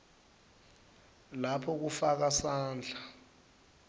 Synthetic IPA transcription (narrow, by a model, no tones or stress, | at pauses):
lapʰɔk̬ufak̬asaːnd͡ɮʱa